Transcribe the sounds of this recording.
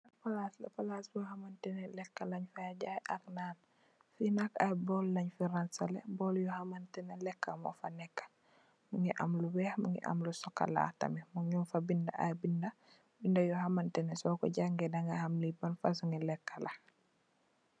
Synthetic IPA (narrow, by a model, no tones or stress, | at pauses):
lɐpalaslɐpalasbɔhamantɛnɛlɛkːalɐɲfajaɟajʔaknaːn | finakajbɔlːɐɲfiɾansalḛbɔljɔhamantɛnelɛkːamɔ̰fanɛkːḁ | muŋɡiʔamluwɛːhmuŋɡḭʔa̰mlusɔkːa̰la̰ːtɐ̰mimuŋɲumfabindɐʔa̰jbindɐ | bindɐjɔhamantɛnɛsɔːkɔ̰ɟaŋɡɛdaŋɡɐhamlibɐnfas̬uŋɡilɛkːala